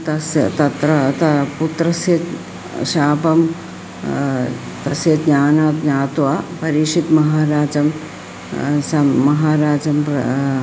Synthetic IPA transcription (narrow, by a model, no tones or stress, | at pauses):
t̪ɐst̪ɐt̪ɾɐt̪ɐput̪ɾɐsjɐt̪ | ʃaːpɐm | t̪ɐsjɐt̪ɲaːnaːt̪ɲaːt̪ʋapɐɾiʂit̪mɐɦaːɾaːd͡ʒɐm | sɐmɐɦaːɾaːd͡ʒɐmp